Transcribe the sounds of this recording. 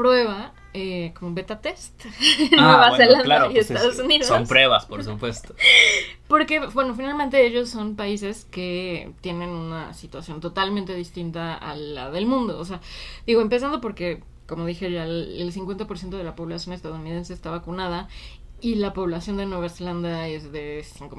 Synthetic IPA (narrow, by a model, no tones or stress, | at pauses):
pɾwe̞βa | ekomoβe̞t̪at̪e̞st̪nweβaselanlaɾiest̪aðosuniðsoompɾweβaspoɾsupwest̪opo̞ɾke̞bwe̞no̞finalmẽ̞nt̪̬e̞eʝo̞sːo̞npaise̞ske̞t̪je̞ne̞nuna̰sit̪wasjo̞nt̪o̞t̪almẽnt̪e̞ðist̪int̪aa̰la̰ðe̞lmũnd̪o̞ːs̬e̞aðiɣo̞empe̞s̬and̪o̞p̬o̞ɾke̞ | ko̞mo̞ðixe̞ʝaelsiŋkwe̞nt̪apoɾsjent̪oðe̞lapo̞βlasjo̞ne̞st̪aðounið̞e̞nseːst̪aβakunað̞a | ilapo̞βlasjo̞nd̪enwe̞β̞aseland̪ae̞zðe̞siŋko